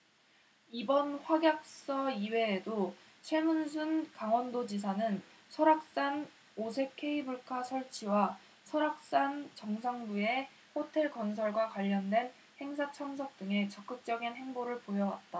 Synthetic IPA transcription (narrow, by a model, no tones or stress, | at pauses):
ibʌnɸwaɡjak̚s͈ʌiwe̞ːdo | t͡ɕʰwe̞munsʰunkaŋwʌndod͡ʑisʰanɯn | sʰʌɾak̚s͈an | osʰe̞kʰːe̞ibuɭkʰasʰʌɭt͡ɕʰiwa | sʰʌɾak̚s͈ant͡ɕʌŋs̬ʰaŋbue̞ | hotʰe̞ɭkʌns̬ʰʌɭɡwakwaʎːʌndwe̞n | he̞ŋsʰat͡ɕʰʌŋsʰʌk̚t͈ɯŋe̞t͡ɕʌk͈ɯk̚t͡ɕ͈ʌɡinɦe̞ŋboɾɯɭpojʌwa̰t̚t͈a